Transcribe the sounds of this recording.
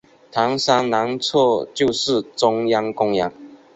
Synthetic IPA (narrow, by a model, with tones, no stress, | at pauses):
t̪ʰɑ˨˥ŋsa˥ŋna˨˧˥ŋt͡sʰɔ˥˧t͡ɕjo˥˧ʊʂɻ̩˥˨ʈ͡ʂʊ˦ŋjɑ˦ŋkʊ˥ŋjɑ˧˥ŋ